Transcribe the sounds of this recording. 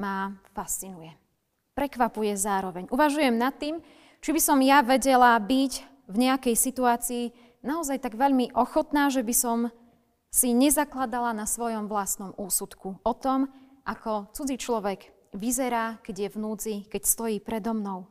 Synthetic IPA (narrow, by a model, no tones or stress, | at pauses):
mafast͡sinujɛ | pɾɛkʋapujɛzaːɾɔʋɛɲʔuʋaʒujɛmnat̪ːiːm | t͡ʃibisɔmjaʋɛɟɛlabiɟ | vɲɛakɛjsit̪uaːt͡siː | naɔzajt̪aɡʋɛʎmiʔɔxɔt̪naːʒɛbisɔm | siɲɛzaklad̪alanasʋɔjɔmʋlast̪nɔmuːsut̪kuɔt̪ɔm | ʔakɔt͡sud͡zit͡ʃlɔʋɛɡ | ʋizɛɾaːkɛɟjɛvnuːt͡sikɛcst̪ɔjiːpɾɛd̪ɔmnɔʊ